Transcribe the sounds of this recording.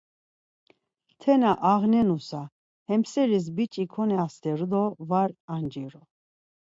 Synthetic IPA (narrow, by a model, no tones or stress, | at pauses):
t̪ʰɛnaʔaʁnɛnusa | hɛmsɛɾis̬bit͡ʃʼikʰɔnɛast̪ɛɾd̪ɔvaɾand͡ʒiɾɔ